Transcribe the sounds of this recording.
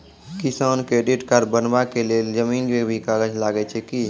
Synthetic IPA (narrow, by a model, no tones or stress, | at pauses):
kisankɾeɖiʈkaɾbənbakeleld͡ʒəminkebʱikaɡəd͡ʒlaɡɛt͡ʃʰɛki